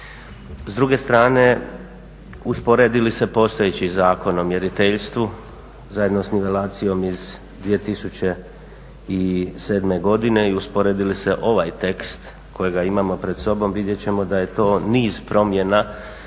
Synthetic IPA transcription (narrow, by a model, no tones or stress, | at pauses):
zd̪ɾuɡest̪ɾaːne̞ | uspo̞ɾe̞ːd̪ilise̞po̞ːst̪o̞jet͡ɕizaːko̞nomje̞ɾit̪eʎst̪ʋu | zajed̪no̞sniʋe̞laːt̪sijo̞miz | d̪ʋije̞t̪isut͡ɕe̞ | ise̞ːd̪me̞ɡo̞d̪ine̞iuspoɾe̞ːd̪ilise̞ʔo̞ʋajt̪e̞kst̪ | kʰo̞jeɡaimamo̞pɾe̞d̪so̞bo̞mʋid̪je̞t͡ɕe̞mo̞d̪aje̞t̪o̞ːniːz̥pɾo̞mje̞na